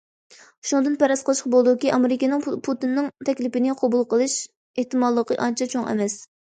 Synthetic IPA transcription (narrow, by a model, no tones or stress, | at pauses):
ʃund̪ɨnpɛɾɑsqəlˠɨʃqɑbolˠd̪ukʲiʔɑmeɾɪkʲinɪŋpʰut̪ɨnːɨŋt̪ʰɛkʲlɪpɪnɪqʰobulˠqəlˠɨʃ | eht̪ɨmɑllːˠəqəʔɑnt͡ʃʰɛt͡ʃʰoŋɛ̰mɛs